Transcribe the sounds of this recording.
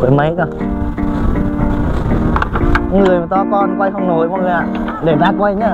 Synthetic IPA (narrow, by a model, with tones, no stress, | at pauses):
we˨˦mə˨˦jkɔ˧˩˧ | ŋɨ˨˩əjm˨˩t̪ɔ˧kɔ˧˩nkwa˧jxə˧wŋ͡mno˧˩jɓɔ˧˩ŋlaː˨˩ | ɗe˧˩ɗaː˦˧kwa˧jɲaː˧˩˨